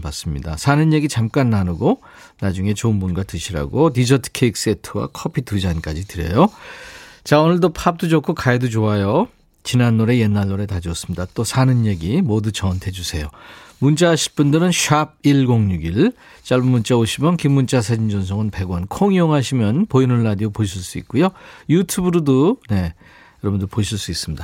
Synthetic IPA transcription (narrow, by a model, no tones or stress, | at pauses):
pas͈ɯmɲida̰sʰanɯnje̞ɡit͡ɕamk͈anːanɯɡo | nad͡ʑuŋe̞t͡ɕonbunɡatɯɕʰiɾa̰ɡotid͡ʑʌtʰɯ̥kʰeik̚s͈e̞tʰɯwa̰kʰʌpʰitud͡ʑank͈ad͡ʑitɯɾjḛjo | t͡ɕaonɯɭt̬opʰap̚t͈ud͡ʑokʰukaedud͡ʑoajo | t͡ɕinanːoɾe̞je̞nːaɭːoɾe̞tad͡ʑʌs͈ɯmɲidat͈osʰanɯnje̞ɡimodut͡ɕʌntʰe̞d͡ʑusʰe̞jomunt͡ɕ͈aɕʰi̥p͈undɯɾɯnɕʰab̚iɭɡoŋɲuɡiɭ | t͡ɕ͈aɭbumːunt͡ɕ͈aoɕʰimjʌnkimːunt͡ɕ͈asʰad͡ʑind͡ʑʌns̬ʰʌŋɯnpe̞ɡwʌnkʰoŋioŋɦaɕʰimjʌnpojinunːadiopoɕʰiɭs͈uḭt̚k͈ujojutʰubuɾudone̞ | jʌɾʌbundopoɕʰiɭs͈uis͈ɯmɲid̥a